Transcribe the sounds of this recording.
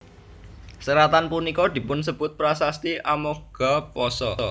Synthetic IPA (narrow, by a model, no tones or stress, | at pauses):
səɾat̪anpunikɔd̪̥i̤pʊnsəb̥ʊt̪̚pɾasast̪iʔamoɡ̥apɔsɔɔ